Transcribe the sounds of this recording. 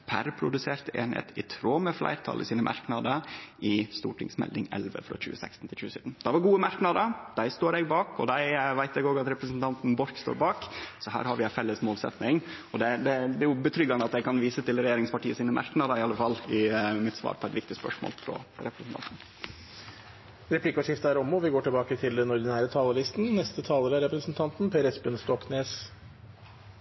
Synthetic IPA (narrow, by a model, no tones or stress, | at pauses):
pʰæ̰ɾpʰɾʊd̪ʉseːɾt̪əḛːnɪhḛːt̪ɪt̪ʰɾoːməflæ̰ɪɾt̪ʰɑ̰lʔəsiːnəmʔɑ̰ɾknɑd̪əʔɪst̪ṵːʈʰɪŋsmɛ̰ld̪ɪŋɛ̰lʋə̰fɾɑ̰c͡çʉːəsɛ̰kst̪n̩t̪ʰɪlçʉːsyːd̪n̩d̪̥ɑʋɑɾɡuːəmɑɾknɑd̪əd̪æɪst̪oːɾɛɡbɑːkɔ̰d̪æɪʋæɪt̪ɛɡoːɡɑt̪ɾɛpɾəsn̩t̪ʰɑnt̪n̩bɔɾkst̪o̰ːɾbɑːksɔɦæ̰ːɾhɑɾʋɪæɪfɛlːəsmoːlsɛ̰t̪nɪŋɔd̪ɛd̪ɛd̪ɛæjʊbət̪ʰɾʏɡːɑnəɑt̪j̪ɛkʰɑnʋiːsət̪ɪlɾɛjeːɾɪŋspɑʈiːəsiːnəmʔæ̰ɾknɑd̪ɑɪɑləfɑlːɪmɪt̪sʋɑ̰ːɾpʰɔɛt̪ʋɪkt̪ɪspœ̰ʂmo̰ːlt̪ʰɾɔ̰ɾɛpɾəsnt̪ʰɑ̰nt̪n̩ | ɾɛpʰlɪkːəʂɪft̪əæɾɔmɔʋɪɡoːʈɪlbɑːkət̪ʰɪld̪ɛnɔɾd̪ɪnæːɾət̪ʰɑːləɾɪst̪nnɛst̪ət̪ʰɑːləɾæɾɛpɾəsnt̪ʰɑnt̪npʰeːɾɛsbʉnst̪ɔkneːs